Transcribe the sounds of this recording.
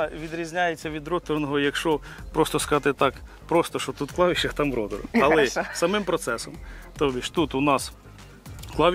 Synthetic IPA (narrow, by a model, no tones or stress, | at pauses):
ʋʲid̪ɾʲizʲnʲajet͡sʲːɐʋʲid̪ɾɔt̪ɔrnɔɦɔjɐkʃt͡ʃɔ | pɾɔst̪ɔskɐzɑt̪ɪt̪ɑk | pɾɔst̪ɔʃɔt̪ut̪klˠɑʋʲiʃɐt̪ɑmɾɔd̪ɔɾ̰ɐlˠɛsɐmɪmpɾɔt̪sɛsɔmt̪ɔbʲiʃt̪ut̪ʊnɑs | klˠɑʋʲ